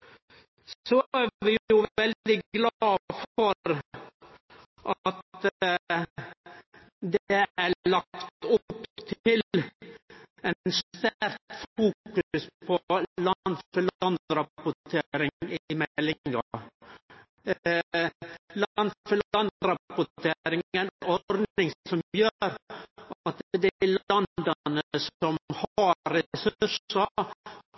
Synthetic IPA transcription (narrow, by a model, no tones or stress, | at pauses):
sɔæʋɪjjʊʋʋɛld̪ɪɡlɑːfɔɾ | ʔɑt̪ | d̪ɛæɭɑkt̪ʊpːt̪ʰɪl | ɛnst̪æɾt̪fuːkʉspʰɔlɑnfəlɑnɾɑpʊtt̪ʰeɾɪŋɪmɛlːɪŋŋɑ | lnfəlɑnɾɑpʊt̪ʰeɾɪŋənɔɾd̪nɪŋsɔmjøːɾ | ɑt̪d̪ɛlɑnd̪ɑnəəsɔmhɑɾɛsʉʂə